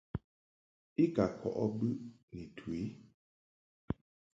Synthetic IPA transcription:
i˦ka˨kʰɔ̰˨ʔɔ˦bɨ˦ni˨tʰwi˨˦

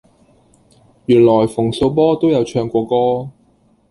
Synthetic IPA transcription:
jyː˨˩nlɔː˨˩jfʊ˨˩ŋso˧wp̬ɔː˥t̪o˥wjɐ˨˧wt͡ʃʰœː˧ŋkʷɔː˧kɔː˥

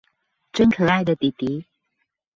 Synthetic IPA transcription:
ʈ͡ʂə˥˩ŋkʰɤ˨˩a˥˩ɪd̪ə˨t̪i˨˩t̪i˨˦

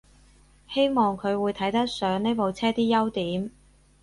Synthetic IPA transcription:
he˥jmɔː˨ŋkʰɵ˨˧ɥwuː˨˧jt̪ʰɐ˨˥jt̪ɐ˥k̚sœː˨˥ŋne˥jpo˨wt͡sʰɛː˥t̪iː˥jɐ˥wt̪iː˨˥m

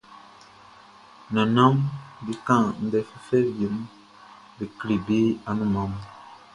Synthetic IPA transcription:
na˨nã˦mbi˦kã˦˨n̩˨˦dɛ˨fɛ˦fɛ˦bji˨˦m | bi˨kli˨bi˦a˨nũ˦˨ma˨˦m

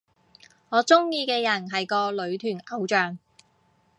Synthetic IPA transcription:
ŋɔː˨˧t͡sʊ˥ŋjiː˧kɛː˧jɐ˨˩nɦɐ˨jkɔː˧lɵ˨˧ɥt̪ʰyː˨˩nɐ˨˧˥wt͡ʃœː˨˩ŋ

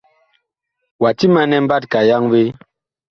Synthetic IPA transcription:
wa˨ti˦ma˦nɛ˦m̩˦ba˦t̚ka˨ja˦ŋve˦

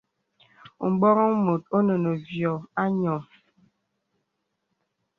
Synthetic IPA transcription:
bɔ˦ɾɔ˦ŋmo˨t̚o˦nə˨nə˨vjɔ˨a˦ɲɔ˨

